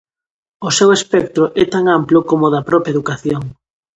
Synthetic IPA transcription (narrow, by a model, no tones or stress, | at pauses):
ʊsewespɛk̚t̪ɾʊʔɛt̪aŋamplʊkomʊðɐpɾɔpɾjaeðukaθjoŋ